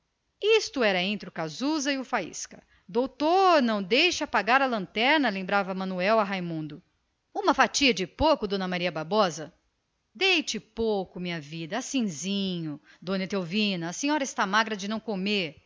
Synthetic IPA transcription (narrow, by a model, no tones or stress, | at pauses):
ist̪ʊɛɾɐẽnt̪ɾɪʊkazuzɐɪʊfaḭskɐ̰ | d̪owt̪oɾnɐ̃w̃d̪ejʃɐpaɡaɾɐlɐ̃nt̪ɛɾnɐlẽmbɾavɐmɐ̃nuɛwɐɦajmũnd̪ʊ | ũmɐfat͡ʃiɐd͡ʒɪpowkʊd̪õnɐmaɾiɐbaɾbɔzɐ | d̪ejt͡ʃɪpowkʊmĩɲɐvid̪ɐasĩzĩɲʊ | d̪õnet̪ewvĩnɐːsẽɲɔɾɐɪst̪amaɡɾɐd͡ʒɪnɐ̃w̃komeɾ